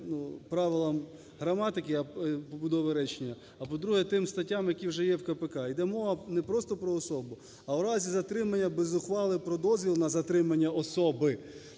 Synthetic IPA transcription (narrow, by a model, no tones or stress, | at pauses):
nupɾɑʋɪlˠɐm | ɦɾɐmɑt̪ɪkɪɐpɔbʊd̪ɔʋɪɾɛt͡ʃenʲːɐ | ɐpɔd̪ɾuɦɛt̪ɪmst̪ɐtʲːamjɐkʲiwʒɛjɛwkɐpekɑid̪ɛmɔɦɐnɛpɾɔst̪ɔpɾɔːsɔbʊ | ɐwɾɑzʲizɐt̪ɾɪmɐnʲːɐbɛzʊxʋɑlˠɪpɾɔd̪ɔzʲʋʲilˠnɐzɐt̪ɾɪmɐnʲːɐɔsɔbɪ